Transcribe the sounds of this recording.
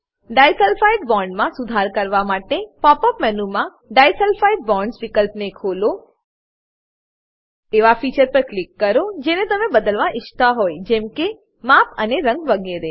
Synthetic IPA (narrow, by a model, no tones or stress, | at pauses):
ɖajsɛlfaiɖbɔ̃ɳɖmãsʊd̪ʱaɾkəɾʋamaʈepɔpəpmɛnumã | ɖajsɛlfaiɖ̚bɔɳɖsʋikəlpnekʰolo | eʋafit͡ʃəɾpəɾklikːəɾod͡ʒenet̪əmebəd̪əlʋãʔɪʃt̪aɦojd͡ʒɛmke | mapəneɾə̃ŋɡʋəɡeɾe